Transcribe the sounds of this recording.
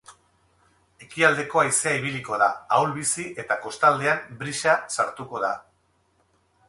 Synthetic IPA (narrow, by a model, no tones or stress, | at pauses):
e̞kiald̪e̞ko̞ajseaiβ̞iliko̞ða̰ːwlβisiʔe̞t̪ako̞st̪ald̪e̞ambɾiʃasaɾt̪uko̞ð̞a̰